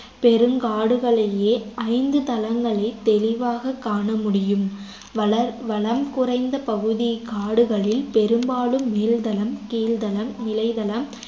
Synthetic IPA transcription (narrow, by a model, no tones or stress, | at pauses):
pɛɾɯmɡaːɽɯɣɐɭɐjeːɐɪnd̪ɯt̪ɐlɐŋɡɐɭɐɪt̪ːɛlɪʋaːɣɐkːaːɳɐmʊɽɪjɯm | ɐɐʋɐɭɐmkʊrɐɪnd̪ɐpɐɣɯðikaːɽɯɣɐɭɪlpɛɾɯmbaːɭɯmːeːld̪ɐlɐmkiːld̪ɐlɐmːɪlɐɪðɐlɐm